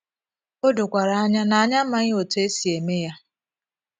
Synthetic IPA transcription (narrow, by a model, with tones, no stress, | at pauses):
o˦dʊ˨kʷa˨ɾa˨a˦ɲa˦na˨a˨ɲa˦ma˦ŋɪ˦o˨te˦si˨e˨me˦ja˦